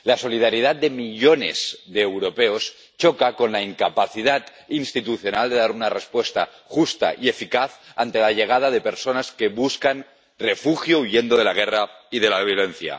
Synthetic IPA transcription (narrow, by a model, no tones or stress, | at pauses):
laso̞lið̞aɾiðat̪̚d̪emiʎonḛzðeːwɾopeos | t͡ʃokakonlaiŋkapaθiðat̪ | inst̪it̪uθjo̞nald̪e̞ðaɾunarespwest̪a̰ | xust̪a̰ʔiefikaθant̪elaʎeɣ̞að̞að̞epeɾsonaskeβuskan | refuxjouʝend̪oðelaɣ̞eraið̞elaβ̞jolen̟θja̰